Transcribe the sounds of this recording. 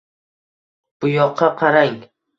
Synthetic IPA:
b̥ʊjɒqʰːɑqʰɑɾaŋ

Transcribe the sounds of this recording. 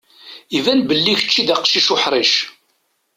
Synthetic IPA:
ivænbəlːiçə̥t͡ʃːid̪æqʃiʃʊħɾˤiʃ

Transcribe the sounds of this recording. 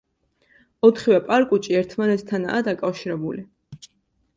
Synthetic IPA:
ɔt̪ʰχivɛpʼaɾkʼut͡ʃʼiɛɾt̪ʰmanɛt̪st̪ʰana̰ːd̪akʼafʃiɾɛbuli

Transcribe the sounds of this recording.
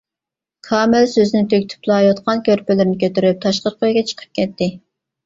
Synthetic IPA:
kʰɑːmɪlsøznɪt̪ʰøkʲt̪ʰy̥plˠɑjot̪qʰɑnkʲøɾpɪlɪɾnɪkʲʰøt̪yɾyp̚t̪ʰɑʃqəɾqʰojɡʲɛt͡ʃʰə̥qʰə̥p̚kʲʰɛt̪ːɪ

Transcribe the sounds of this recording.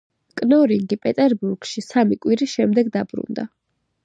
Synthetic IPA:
kʼnɔɾiŋɡipʼɛt̪ʼɛɾbuɾɡ̥ʃisamikʼwiɾiʃɛmd̪ɛɡd̪abɾṵnd̪a

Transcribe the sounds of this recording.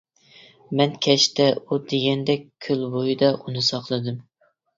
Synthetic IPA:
mɛnkʲʰɛʃt̪ɛud̪eɡʲɛnd̪ɛkʲkʲʰːølbojid̪ɑʔunɨsɑqlˠɨd̪ɨm

